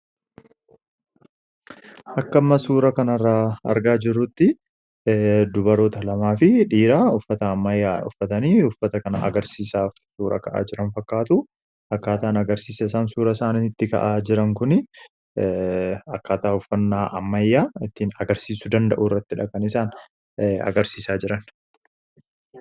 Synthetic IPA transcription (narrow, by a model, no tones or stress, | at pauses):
ʔɐkːɐmːɐsuːɾɐkɐnɐrːaɐ̰ɾɡaːd͡ʒɪrːʊt̪ːɪ | d̪ʊbɐɾoːt̪ɐlɐmaːfɪᶑiːɾaʊfːɐt̪ɐːmːɐjːaːʊ̰fːɐt̪ɐniːʊfːɐt̪ɐkɐnɐ̰ɐ̰ɡɐɾsiːsaːfsuːɾɐ̰kɐʔa̰ːd͡ʒɪɾɐnfɐkːaːt̪u | ɐkːaːt̪aːnɐɡɐɾsiːsɐɪsaːnsuːɾɐsaːniɪt̪ːɪkɐ̰ʔaːd͡ʒɪɾɐŋkʊnɪ | ɐkːaːt̪aːʊfːɐnːaːʔɐ̰mːɐjːaːɪt̪ːinɐɡɐɾsiːsʊd̪ɐnd̪ɐʔuːɪrːɐt̪ːɪᶑɐkɐnɪsaːn | ɐ̰ɡɐɾsiːsaːd͡ʒɪɾɐn